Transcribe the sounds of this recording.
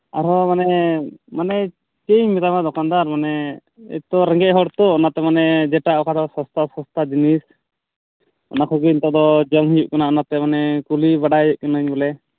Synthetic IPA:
a̰ɾɔmanɛɛmanɛ | t͡ʃeɲmɛt̪amad̪ɔkand̪aɾmanɛ | ɛ̰t̪ɔɾɛŋɡɛʔɦɔɽt̪ɔɔnat̪ɛmanɛd͡ʒɛʈaɔkʰaɾɔsɔst̪asɔst̪ʰad͡ʒinis | ɔ̰nakʰɔɡiɲt̪ɔʔd̪ɔd͡ʒɔmɦijuʔkanaʔɔnat̪ɛmanɛkulibaɖajɛʔ̚kanəɲbɔlɛ

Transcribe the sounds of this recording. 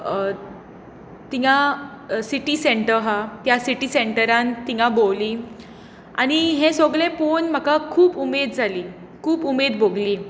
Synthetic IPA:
t̪ija | siʈiseɳʈəɾɦat̪jasiʈiːseɳʈəɾãnt̪iŋãbowliː | a̰ɽ̃iɦẽsoɡɭẽponm̤akakʰuːpumed̪d͡zʱaliː | kʰuːpumed̪bʱoɡliː

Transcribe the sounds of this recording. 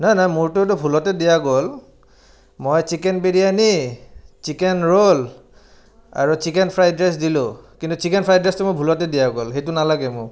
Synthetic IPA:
najnajmuɹtʊtʊbʱulɔtɛdijaɡol | mojt͡ʃikɛnpeɹijanit͡ʃikɛnɹol | a̰ɹut͡ʃikɛnpʰɹajdɹɛs̬dilʊ̃kintut͡ʃikɛnpʰɹajdɹɛstʊmojbʱulɔtɛdijaɡolxejtʊnalaɡɛmʊɹ

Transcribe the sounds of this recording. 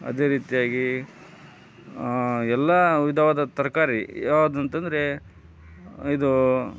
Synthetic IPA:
ɐ̰d̪eːɾiːt̪ijaːɡi | ɛlːɐʋid̪ʱɐʋad̪ɐt̪ɐɾkaːɾijaʋd̪ɐnt̪ɐnd̪ɐɾe̞ | id̪u

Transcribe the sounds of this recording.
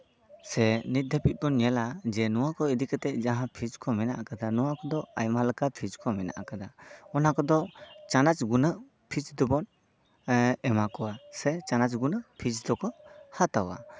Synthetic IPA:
sɛnit̪̚d̪ʱepit̪̚bɔnɛlad͡ʒɛnɔwakʰɔid̪ikat̪ɛʔ̚d͡ʒaɦãpʰid͡ʒkʰɔmɛnaʔakad̪anɔwakʰɔd̪ɔajmalakapʰid͡ʒkʰɔmɛna̰ʔakad̪aɔnakɔd̪ɔt͡ʃanat͡ʃɡunəʔ | pʰid͡ʒd̪ɔbɔn | ɛmakɔwasɛt͡ʃanat͡ʃɡunəpʰid͡ʒd̪ɔkʰɔhat̪awa̰

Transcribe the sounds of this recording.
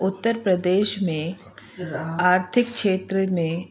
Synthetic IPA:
ʊt̪ːəɾpɾəd̪eːʃmẽ | aːɾt̪ʰɪkkʃeːt̪ɾəmẽ

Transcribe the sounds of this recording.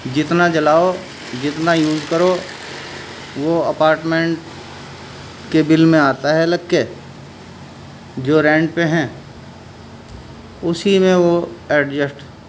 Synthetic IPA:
d͡ʒɪt̪nat͡ʃɐlaːo | d͡ʒɪt̪najuːzkəɾo | ʋoɐpaːɾʈmẽɳʈ | kebɪlmẽaːt̪aɦɛlɐkːe | d͡ʒoːɾɛ̃ːɳɖpẽɦɛ̃ː | ʊsimẽʋoɛːʈd͡ʒəsʈ

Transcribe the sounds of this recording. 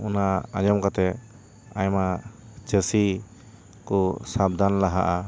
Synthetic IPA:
unaaɲɔmkat̪ɛ | ajmat͡ʃəsi | kɔsab̚d̪ʱanlaɦa̰ʔa

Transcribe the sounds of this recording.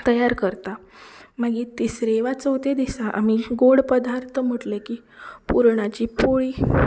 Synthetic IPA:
t̪əjaɾkəɾt̪a | məɡiːt̪isɾeʋat͡səwt̪ed̪isaʔa̰miɡoɽpəd̪aɾt̪ʰəm̤əʈlekiː | puɾɳ̃at͡ɕiːpoɭiː

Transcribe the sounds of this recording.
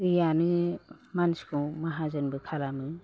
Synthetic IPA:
ijanɯ | manskʰɔ̃maɦazɯnbɯkʰalamɯ

